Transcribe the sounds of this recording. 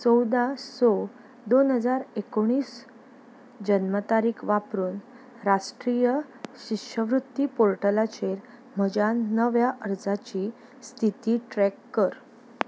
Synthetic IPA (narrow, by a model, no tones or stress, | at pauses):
sɔwd̪asɔ | d̪onɦəd͡zaɾekoɽ̃iːs | d͡ʑənmət̪aɾiːkʰʋapɾuːn | ɾaʂʈɾijə | ɕikɕəʋɾut̪ːiːpoɾʈəlat͡ɕeɾ | m̤əd͡ʑanːəʋjaʔəɾd͡zat͡ɕiː | st̪ʰit̪iːʈɾɛkːəɾ